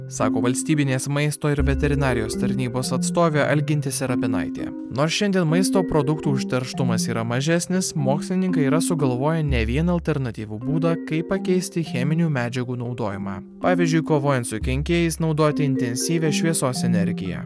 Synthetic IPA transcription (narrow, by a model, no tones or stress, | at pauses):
sɑːkoːʋɐlʲsʲt̪ʲiːbʲɪnʲeːsmɐɪst̪oːɪɾʋʲɛt̪ʲɛɾʲɪnɑːɾʲɪjoːst̪ɐɾʲnʲiːboːsɐt̪st̪oːʋʲeːʔɐ̰lʲɡʲɪnʲt̪ʲɪsʲɪɾɐpʲɪnɑ̰ɪt̪ʲḛː | noːsʃʲɛnʲd̪ʲiɛnmɐɪs̬t̪oːpɾoːd̪ʊkt̪uːʊʃʲt̪ʲɛɾʃt̪ʊmɐsiːɾɐmɐʒʲɛsʲnʲɪsmoːksʲlʲɪnʲɪŋkɐɪiːɾɐsʊɡɐlˠʋoːjɛnʲɛʋʲiɛnɐlʲt̪ʲɛɾnɐt̪ʲiːʋuːbuːd̪ɑːkɐɪppɐkʲɛɪsʲt̪ʲɪxʲɛmʲɪnʲuːmʲæːd͡ʒʲɛɡuːnɒʊd̪oːjɪmɑ̰ː | pɑːʋʲiːzʲd͡ʒʲʊɪkoːʋoːjɛnt̪sʊkʲɛŋʲkʲeːjɛɪsnɒʊd̪oːt̪ʲɪɪnʲt̪ʲɛnʲsʲiːʋʲɛːʃʲʋʲiɛsoːsɛnʲɛɾʲɡʲɪjɛ̰ː